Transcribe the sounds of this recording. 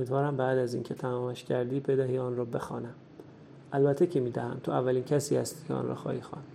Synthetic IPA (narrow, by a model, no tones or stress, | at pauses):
omiːd̪vɒːɾæmbæːd̪æzḭncʰe̞t̪ʰæmɒːmæʃcʰæɾd̪iːbe̞d̪æɦiːɒːnrɒːbe̞xɒːnæm | ʔælbæt̪ʰːecʰemiːd̪æhæ̰mt̪ʰoævːæliːncʰæsiːhæst̪iːcʰeɒ̰ːnrɒ̰xɒ̰ːhiːxɒ̰n